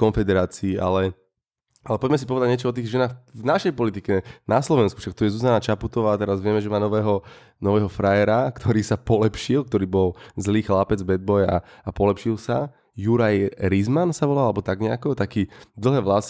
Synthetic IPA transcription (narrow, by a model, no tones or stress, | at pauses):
kɔnfɛd̪ɛɾaːt͡siːʔa̰lɛ | alɛpɔɟmɛs̬i̥pɔʋɛd̪aɟɲɛt͡ʃɔɔt̪̬iːɣʒɛnaːxvnaʃɛjpɔlit̪ikɛnaslɔʋɛnsku̥fʃak̚t̪ujɛzuzanat͡ʃaput̪ɔʋaːt̪ɛɾazʋɪɛmɛʒɛmaːnɔʋɛːɦɔ | nɔʋɛːɦɔfɾajɛɾakt̪ʰɔɾiːsapɔlɛpʃilk̚t̪ɔɾiːbɔlzliːxlapɛd͡zbɛd̪̚bɔja̰apɔlɛpʃilsa | juɾajɾizmansaʋɔlalalɛbɔt̪aɡɲɛakɔt̪akiːd̪l̩ˠɦɛːʋlas